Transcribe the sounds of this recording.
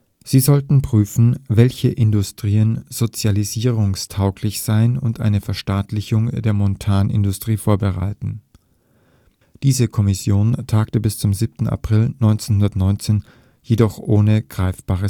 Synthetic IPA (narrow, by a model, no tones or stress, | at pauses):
z̥iːzɔltn̩pʁ̥yːfn̩vɛlçəʔɪndʊstʁ̥iːənz̥ot͡sjaliziːʁʊŋstʰaʊklɪçz̥aɪnʊ̰ntʔa̰ɪnəfɛɐʃtaːtlɪçʊŋd̥eːɐmɔntʰaːnɪ̰ndʊstʁ̥iːfoːɐbəʁa̰ɪtn̩ | d̥iːzəkʰɔmɪsjoːntʰaːktəbɪst͡sʊmzip̚tn̩a̰pʁ̥ɪlnɔʏnt͡seːnhʊndɐtnɔʏnt͡seːn | jedɔχʔoːnəɡ̥ʁaɪfb̥aːʁə